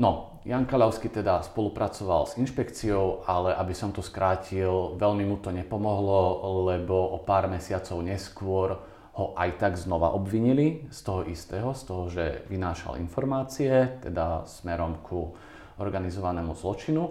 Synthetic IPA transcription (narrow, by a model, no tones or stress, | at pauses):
nɔ | jaŋkaʎaʊskit̪ɛd̪aspɔlupɾat͡sɔʋa̰lzinʃpɛkt͡siɔʊalɛʔabisɔmt̪ɔskɾʔaːcʰilʋɛʎmimut̪ɔɲɛpɔmɔɦlɔlɛbɔʔɔpaːɾmɛsɪat͡sɔʊɲɛskʊɔɾ | hɔʔajt̪aɡznɔʋa̰ʔɔbʋiɲilist̪ɔɦɔʔist̪ɛːɦɔst̪ɔɦɔʒɛ̰ʋinaːʃa̰lḭnfɔɾmaːt͡siɛt̪ɛd̪asmɛɾɔmkʰu | ɔɾɡanizɔʋanɛːmuzlɔt͡ʃinu